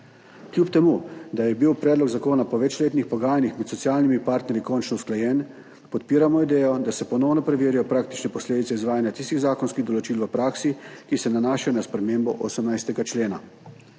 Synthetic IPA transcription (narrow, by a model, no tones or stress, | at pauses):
kljuːpt̪ɛmud̪ajɛbiwpɾɛːd̪lɔɡzakoːnapɔʋɛt͡ʃleːt̪nixpɔɡaːjanixmɛt̪sɔt̪siaːlnimipaːɾt̪nɛɾjikɔnt͡ʃnɔwsklajɛn | pɔt̪piːɾamɔid̪ɛːjɔd̪asɛpɔnɔwnɔpɾɛʋeːɾijɔpɾaːk̚t̪i̥t͡ʃnɛpɔsleːd̪itsɛizʋaːjanjat̪ist̪iɣzaːkɔnskiɣd̪ɔlɔt͡ʃiːlʋəpɾaːksikisɛnanaːʃajɔnaspɾɛmeːmbɔ̰ʔosəmnajst̪ɛɡat͡ʃleːna̰